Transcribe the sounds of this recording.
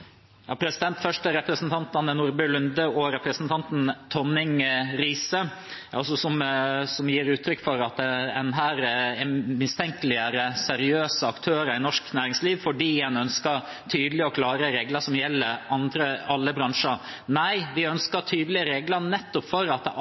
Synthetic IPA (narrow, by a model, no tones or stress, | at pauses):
jɑ̰ːpʰɾɛsɪd̪ɛnt̪fœʂʈəɾɛpɾəsnt̪ʰɑnt̪ɑnənuːɾbəlʉnd̪əɔɾɛpɾəsnt̪ʰɑnt̪n̩t̪ʰɔnɪŋɾiːsə | ɑsɔsɔmsɔmjiːɾʉːt̪ʰɾʏkːfɔɾɑt̪̚d̪ɛɛnɦæːɾɛmɪst̪ʰɛŋkəlɪəɾəsɛɾɪøːsəɑkt̪ʰøːɾəɾɪnɔʂknæːɾɪŋsliːʋfɔɖiːjænœnskəɾ | t̪ʰyːd̪əlɪɔkʰlɑːɾəɾeːɡləʂɔmjɛlːəɑnd̪ɾəɑlːəbɾɑŋʂənæɪʋɪœnskət̪ʰyːd̪lɪəɾeːɡləɾnɛt̪ːɔpfɔɾɑt̪̚ɛ